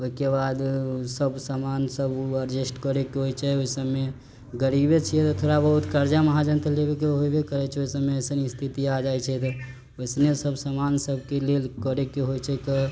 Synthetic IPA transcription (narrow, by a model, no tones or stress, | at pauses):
oikebad̪səbsəmansəbəɾd͡ʒisʈkəɾekeɦojt͡ʃʰɛoisəbme | ɡəɾibet͡ʃʰijɛt̪ɔt̪ʰoɾabəɦut̪kəɾd͡ʒaməɦad͡ʒənt̪ʰəlebekeɦojbekəɾɛt͡ʃʰɛoisəbmeəsənst̪ʰit̪iad͡ʒajt͡ʃʰɛt̪ɔ | oɪsnesəbsəmansəb̚ʱkelelkəɾekeɦojt͡ʃʰɛkə